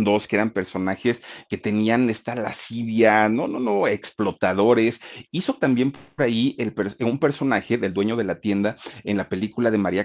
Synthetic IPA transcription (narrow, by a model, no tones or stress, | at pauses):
nd̪o̞skeeɾampe̞ɾso̞naxe̞ske̞t̪e̞niane̞st̪ala̰siβjanononoeksplo̞t̪aðo̞ɾe̞siso̞t̪ambje̞mpoɾaielpeɾsumpe̞ɾso̞naxe̞ðe̞ld̪we̞ɲo̞ð̞e̞lat̪je̞nd̪ae̞nlape̞likulaðe̞maɾia